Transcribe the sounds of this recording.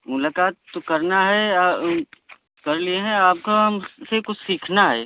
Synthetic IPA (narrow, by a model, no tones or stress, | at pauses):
mʊlaːkaːt̪ːokɐɾnaɦɛ | kɐɾlieɦɛ̃aːp̚koɦɐmsekʊt͡ʃʰsiːkʰnaɦɛ̰ː